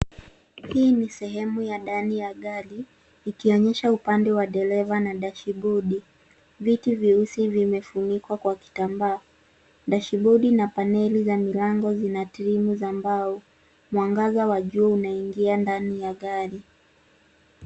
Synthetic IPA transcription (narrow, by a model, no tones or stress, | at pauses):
hiːnisɛɦɛmujaɗanijaɠaliː | kiɔɲɛʃaupandɛwaɗɛɾɛvanaɗaʃiɓɔɗi | vitiviusivimɛfunikwakwaki̥tambaː | ɗaʃiɓuɗinapanɛlizamilaŋɡɔzinatiɾimuzambaɔ | mwaŋɡazawaʄuunaiŋɡiandanijaɠaɾi